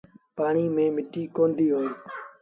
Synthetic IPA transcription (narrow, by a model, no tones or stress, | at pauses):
paːɳiːmẽːmɪʈiːkoːnd̪iːɦoː